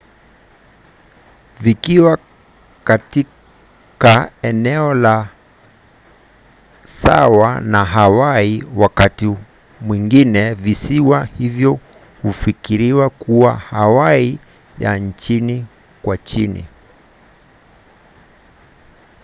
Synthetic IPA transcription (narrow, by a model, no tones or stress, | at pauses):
vikiwa | kati | kaɛnɛɔla | sa̰wanaɦawaiwakati | mwiŋɡinɛvisiwahivjɔ | hufikiɾiwakuwahawai | ja̰n̩t͡ʃini | kwat͡ʃinḭ